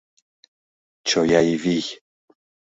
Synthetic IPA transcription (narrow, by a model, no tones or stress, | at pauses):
t͡ʃojaiviç